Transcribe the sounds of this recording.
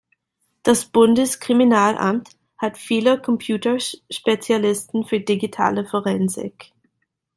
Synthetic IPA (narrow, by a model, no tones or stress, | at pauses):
d̥asb̥ʊndəskʁ̥iminaːlʔa̰mt | hatfiːləkʰɔmpʰjuːtəʃpet͡sjalɪstn̩fyːɐdiɡitʰa̰ːləfɔʁɛnzɪ̰k